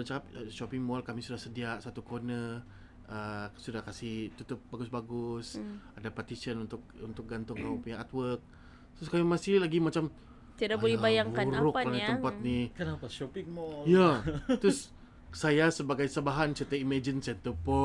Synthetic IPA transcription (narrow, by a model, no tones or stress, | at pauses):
ant͡ʃakapʃɔpɪŋmɔlkamisudahsədiaʔsat̪ukonə | əsudahkasɪht̪ut̪ʊp̚baɡʊsbaɡʊsadapat̪isənunt̪ʊk̚unt̪ʊk̚ɡant̪ʊŋkaupuɲaat̪̚wərk̚ | t̪ʊskamimasɪlaɡimat͡ʃam | t̪iadakbolɛbajaŋkauɾʊkːaɲat̪mpat̪̚nikanapaʃɔpɪŋmɔlijat̪ʊs | sajasəbaɡajsəbaɦant͡ʃət̪əimad͡ʒənsɛnt̪əpɔ